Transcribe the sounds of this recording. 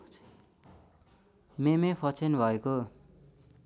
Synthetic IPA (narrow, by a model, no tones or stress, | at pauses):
memepʰʌt͡sʰenbʱʌeko